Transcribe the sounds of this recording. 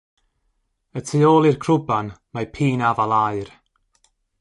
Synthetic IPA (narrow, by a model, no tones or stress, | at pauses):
ətʰioːlˠirkʰrʊbanmajpʰiːnavalˠaɨr